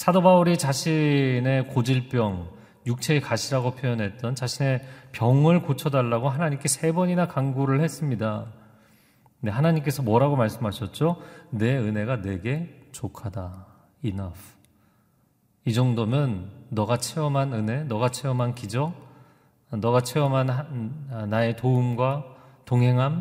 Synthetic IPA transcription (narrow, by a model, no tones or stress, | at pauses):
sʰadobauɾit͡ɕaɕʰine̞kod͡ʑiɭp͈jʌŋ | juk̚t͡ɕʰe̞ːkaɕʰiɾaɡopʰjojʌnɦe̞t̚t͈ʌnt͡ɕaɕʰine̞pjʌŋɯɭkot͡ɕʰʌdaɭːaɡoɦanaɲimk͈e̞sʰe̞bʌɲinakaŋɡuɾɯɭhe̞s͈ɯmɲida | neɦanaɲimk͈e̞sʰʌmwʌɾaɡomaɭs͈ɯmɦaɕʰʌt̚t͡ɕ͈one̞ɯne̞ɡane̞ɡe̞t͡ɕokʰada | inʌ | id͡ʑʌŋdomjʌnːʌɡat͡ɕʰeʌmɦanɯne̞nʌɡat͡ɕʰeʌmɦankid͡ʑʌk̚ | nʌɡat͡ɕʰeʌmɦanɦnae̞toumɡwa | toŋɦe̞ŋɦam